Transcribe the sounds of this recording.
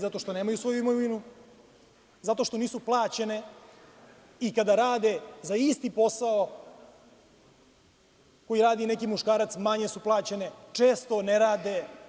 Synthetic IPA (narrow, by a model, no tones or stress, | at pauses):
zat̪o̞ʃt̪o̞neːmajusvo̞juimoʋinu | zat̪o̞ʃt̪o̞niːsuplˠaːt͡ɕene̞ | ikad̪aɾaːd̪e̞zaist̪ipo̞sao | ko̞jiɾaːd̪ine̞kimuʃkaːɾat̪smaɲesuplˠaːt͡ɕene̞t͡ʂe̞ːst̪o̞neɾaːd̪e̞